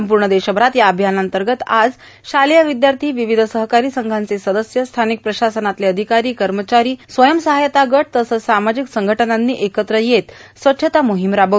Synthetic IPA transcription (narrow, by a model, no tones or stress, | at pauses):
mp̬uɾɳəd̪eɕəbɾat̪jaəbʱjanant̪əɾɡət̪ad͡z | ɕaljaʋid̪jaɾt̪ʰiːʋiʋid̪ʱsəɦkaɾiːsəŋɡʱant͡sesəd̪əsjəst̪ʰanik̚pɾəɕasənat̪leəd̪ʱikaɾiːkəɾmət͡ɕaɾiːsʋəjəmsəɦajt̪aɡəʈ̚t̪əsəsamad͡ʑiksəŋɡʱəʈənanːḭːʔekət̪ɾəjet̪sʋətːɕʰət̪amuɦimɾabə